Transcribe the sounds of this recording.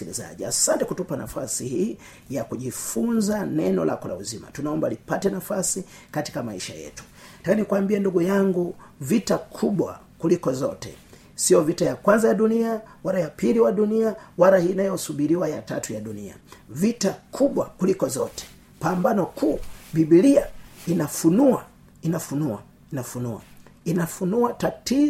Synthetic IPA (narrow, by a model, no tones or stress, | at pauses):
ilḭza̰ʄia̰santɛkutupana̰fa̰sihiː | jakuʄifunzanɛnɔ̰lʔa̰kɔla̰uzima̰tunaɔmbalipatɛnafasi | kati̥kamaiʃa̰jɛ̰tu̥takanikwambiɛnduɡujaŋɡuvitakʰuɓwa̰ | kulikɔzɔtɛ̰ | siɔvitajakwanzajaɗuniawaɾajapiliwaɗuniawaɾahiːnajɔsuɓiɾiwajatatujaɗunḭa̰vitakʰuɓwakulikɔzɔ̰tɛ̥ | pambanɔkʰuːɓiɓiliainafunua̰ | inafunua̰ | inafunua̰ | inafunuatati